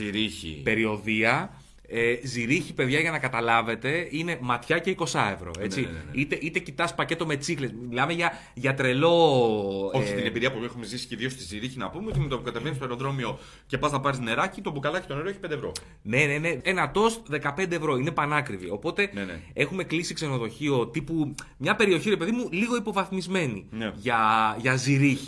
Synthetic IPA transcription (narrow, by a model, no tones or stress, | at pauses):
iɾiçḭpe̞ɾio̞ðiɐ | eziɾiçipe̞ðʝɐʝɐnɐkɐt̪ɐlɐve̞t̪e̞ine̞mɐt̪çɐce̞iko̞sɐe̞vɾo̞̰et͡siit̪e̞ʔit̪e̞cit̪ɐspɐce̞t̪o̞me̞t͡sixlesmilɐmeʝɐ | ʝɐt̪ɾe̞lo̞ | oçiiinembiɾiɐpuexumezisi̥ceðio̞st̪iziɾiçinɐpumeo̞t̪imet̪opukɐt̪eve̞nist̪oeɾoðɾo̞mio̞ | ce̞pɐznɐpɐɾizne̞ɾɐcit̪obukɐlɐçi̥t̪oneɾoeçipend̪evɾo̞̰ | ne̞nene̞enɐt̪o̞st̪ðe̞kɐpe̞nd̪eːvɾo̞inepɐnɐkɾivio̞po̞t̪e̞e̞xume̞klisikse̞no̞ðo̞çio̞t̪ipumɲɐpe̞ɾio̞çiɾe̞pe̞ðimuliɣo̞ipo̞vɐθmizme̞nḭnʝɐʝɐziɾiçi̥